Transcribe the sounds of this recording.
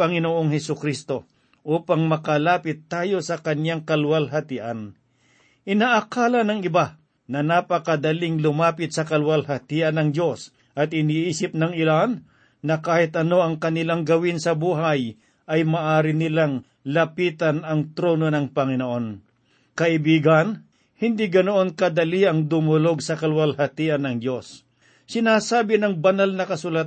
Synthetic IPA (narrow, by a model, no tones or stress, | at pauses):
ɐŋɪnoʔoŋhɛsʊkɾist̪o̞ | ʔuːpaŋmɐkɐlaːpɪt̪ːaːjo̞sɐkɐnjaŋkɐlwɐlɦɐt̪ɪʔɐn | ʔɪnaːʔːkaːlɐnɐŋɪba | nɐnapɐkɐd̪ɐlɪŋlʊmaːpɪt̪̚sɐkɐlwɐlhɐt̪iʔɐnɐŋd͡ʒjo̞s | ʔɐt̪ɪniːʔiːsɪp̚nɐŋɪlanː | ɐkaːhɪt̪ʔɐno̞ʔɐŋkɐnɪlaŋɡɐwɪnsɐbuːɦaj | ʔɐjmɐʔaːɾɪnɪlaŋ | lɐpiːt̪ɐnɐŋt̪ɾono̞nɐŋpɐŋɪnoʔo̞n | kɐʔɪbiːɡɐn | hɪnd̪iɡɐnoʔo̞nkɐd̪ɐliʔɐŋd̪ʊmʊlo̞ɡ̚sɐkɐlwɐlhɐt̪iːʔɐnːɐŋd̪jo̞s | sɪnaːsaːbɪnɐŋbɐnalnɐkɐsulat̪